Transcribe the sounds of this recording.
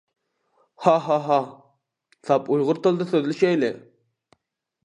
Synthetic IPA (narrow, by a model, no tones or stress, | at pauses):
hɑɦɑɦɑ | sɑpujʁʊɾt̪olˠd̪ɨsøðlyʃɛjlɪ